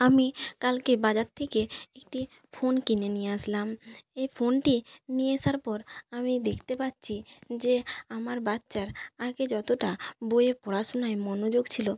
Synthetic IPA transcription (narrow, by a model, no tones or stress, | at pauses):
amikalkebad͡ʑaɾt̪ʰekeek̚ʈi | fʰonkinenieaʃlamejfʰonʈinieʃaɾpɔɾamid̪ekʰt̪epat̪ːɕʰid͡ʑeamaɾbat̪ːɕaɾaɡed͡ʑɔt̪oʈaboepɔɾaʃonaemɔnod͡ʑoɡt͡ɕʰilo